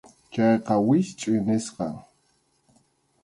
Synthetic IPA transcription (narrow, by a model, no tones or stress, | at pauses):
t͡ʃɑjqɑwɪʃt͡ʃʼʊjnɪsqɑŋ